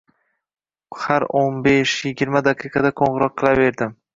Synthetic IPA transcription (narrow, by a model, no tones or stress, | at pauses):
haɾonbeʃjɪɡʲɪɾmad̪aqʰɨqʰɑd̪akʰoɴʁɨɾɒq̚ʰːɨlˠave̞ɾd̪ɪm